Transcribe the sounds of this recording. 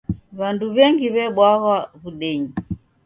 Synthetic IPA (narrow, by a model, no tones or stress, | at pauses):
βanduβɛŋɡiβɛɓwaɣaβuɗɛɲi